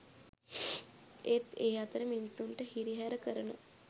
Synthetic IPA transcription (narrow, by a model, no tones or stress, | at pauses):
et̪ejat̪ɾəminsunʈəɦiɾiɦaɾəkəɾɳə